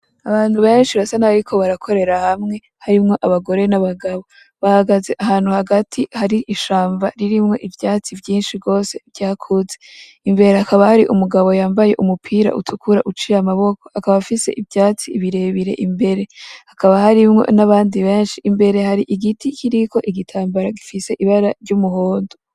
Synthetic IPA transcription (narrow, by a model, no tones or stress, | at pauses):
aβaːn̥huβe̞ːnʃiβasanaaɾikʰo̞βaɾakʰo̞ɾe̞ɾahamŋe̞ | haɾimŋo̞ʔaβaɡo̞ɾenaβaɡaβo̞ | βahaɡaze̞ʔaɦaːn̥huhaɡatʰihaɾiʔiʃaːɱvaɾiɾimŋo̞̰ʔivjaːt͡sivjiːnʃiɡo̞ːse̞vjaːkʰuze̞ | imbe̞ɾeakaβahaɾiʔumuɡaβo̞jaːmbaje̞̰ʔumupʰiːɾa̰ʔṵtʰukʰuɾaʔut͡ʃiɾamaβo̞ko̞hakaβafise̞ʔivjaːt͡siːβiɾe̞βiɾe̞̰ʔimbe̞ɾe̞hakaβahaɾimŋo̞̰naβaːndiβe̞ːnʃiʔːmbe̞ɾe̞haɾiʔiɡitikʰiɾiko̞ʔiɡitʰaːmbaɾaɡifise̞ʔiβaɾaɾɟumuɦoːndo